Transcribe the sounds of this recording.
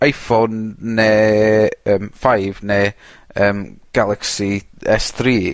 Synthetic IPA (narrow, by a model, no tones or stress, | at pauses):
ajfonːeː | əːmfajvneəːmɡ̥alˠɛksiɛsθriː